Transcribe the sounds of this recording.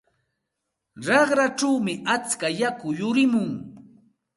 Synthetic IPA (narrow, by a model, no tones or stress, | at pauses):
ɾɑχɾaʈ͡ʂawmɪʔat͡skajakʊjʊɾɪmʊŋ